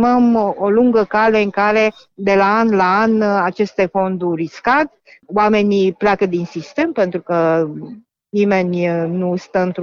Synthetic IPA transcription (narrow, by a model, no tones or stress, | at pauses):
məmoluŋɡəkale̞ɨŋkaɾe̞ | d̪e̞laanlaanat͡ʃe̞st̪e̞fo̞nd̪uriskat̪ʲ | wame̞nʲiplʲakəd̪insist̪e̞mpe̞nt̪ɾukə | nime̞nʲnust̪əɨnt̪